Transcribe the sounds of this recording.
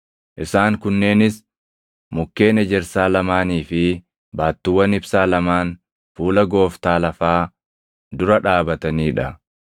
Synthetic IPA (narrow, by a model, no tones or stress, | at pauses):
ʔɪsaːŋkʊnːe̞ːnɪs | mʊkːe̞ːnɛd͡ʒɛɾsaːlɐmaːniːfɪ | baːt̪ːɪwːɐnɪbsaːlɐmaːn | fuːlɐɡo̞ːft̪aːlɐfaː | d̪ʊɾɐᶑaːbɐt̪ɐniːᶑɐ